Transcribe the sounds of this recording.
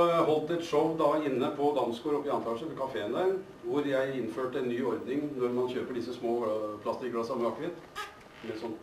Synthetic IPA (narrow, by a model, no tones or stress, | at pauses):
ɔjæɪɦɔlt̪ɛt̪ʂɔʋd̪ɑɪnːəpʰɔd̪ɑnskuːɾɔpːɪɑnt̪ɑːɡʂəpʰɔkʰɑfeːənd̪æɾ | ʋʊɾjæɪɪnføːʈəɛnːyːɔɾd̪nɪŋnɔɾmɑnçøːpəɖɪsəsmoːpʰlɑst̪ɪkɽɑsɑməɑkːʋɪt̪ | mɛsɔn